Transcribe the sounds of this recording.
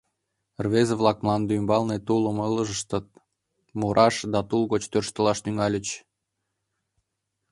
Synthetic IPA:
rβezəβlˠɑkmlˠɑnd̪ymbɑlnet̪uləmələʒəʃt̪ət̪ | muɾʔɑʃd̪ɑt̪ulɣot͡ɕt̪ørʃt̪ə̆lɑʃt̪yŋɑlʲət͡ɕ

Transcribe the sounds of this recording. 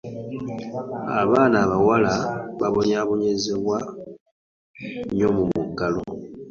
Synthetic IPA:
a̰βaːnaβawalaβaβo̞ɲaβo̞ɲezeβwa | ɲo̞mumuɡalo̞̰

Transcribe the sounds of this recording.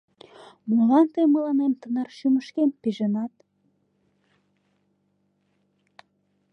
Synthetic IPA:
mulˠɑnt̪eməlˠɑnemt̪ə̆nɑrʃymə̆ʃkenpiʒə̆nɑt̪

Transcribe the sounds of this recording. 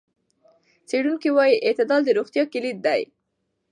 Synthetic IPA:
t͡seɽunkiwɑjiʔɪt̪ɪd̪ɑld̪əɾoɣt̪jɑkɪlid̪̚d̪aj

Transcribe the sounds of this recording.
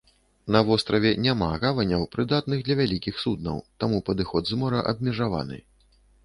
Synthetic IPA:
nɐvɔst̪ɾɐvʲɛnʲama̰ɣavɐnʲːɐwpɾɨd̪at̪̚nɨɣd̪lʲɐvʲalʲikʲixsud̪̚nɐ̰wt̪amupɐd̪ɨxɔd̪zmɔɾɐʔɐb̚mʲɛʐava̰nɨ̰

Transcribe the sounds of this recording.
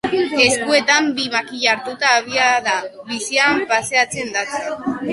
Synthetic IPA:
e̞skue̞t̪ambimakiʎaaɾt̪ut̪aːβ̞iaðaβisiampase̞at͡se̞nd̪at͡sa

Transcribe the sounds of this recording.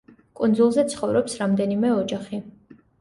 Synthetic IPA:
kʼund̪zulˠzɛt̪sʰχɔvɾɔpsɾamd̪ɛnimɛɔd͡ʒaχi

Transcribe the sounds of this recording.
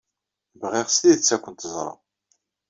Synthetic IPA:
vʁiʁsjit͡sːækʷːənt̪əzˤɾˤɑ̰

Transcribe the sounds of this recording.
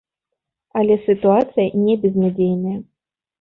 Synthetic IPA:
ɐlʲɛsʲɨt̪uat̪sɨjɐnʲɛbʲɛznʲad͡zʲejnɐjɐ

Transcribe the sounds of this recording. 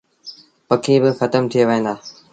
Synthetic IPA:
pɐkʰiːbɪxɐt̪əmt̪ʰijeʋɦẽːn̆d̪aː

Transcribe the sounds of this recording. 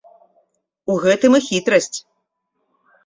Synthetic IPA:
uɣɛt̪ɨmɨxʲit̪ɾɐsʲt͡sʲ

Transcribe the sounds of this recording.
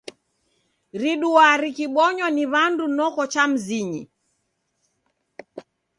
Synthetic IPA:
ɾiɗuwaɾikiɓɔɲwɔniβandunɔkɔt͡ʃam̩ziɲḭ

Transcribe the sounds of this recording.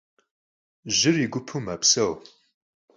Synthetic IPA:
ʒɨɾiɡupʰumɐpsɐw

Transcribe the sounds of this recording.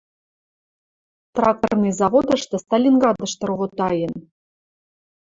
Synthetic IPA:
t̪rɑk̪ɤrnɨjzɑvod̪ɤ̆ʃt̪ɤ̆st̪ɑlʲinɡɑd̪ɤ̆ʃt̪ɤ̆rʁot̪ɑjɤ̆n

